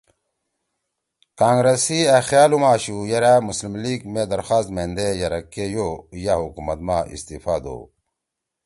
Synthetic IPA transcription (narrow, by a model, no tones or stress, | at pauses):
kaːŋɡɾesiaxjaːlumaːɕujɐɾamuslimliːɡmed̪ɐɾxaːst̪mend̪ejɐɾɐkːejojaɦukumɐt̪maːʔḭst̪ifaːd̪o̰ː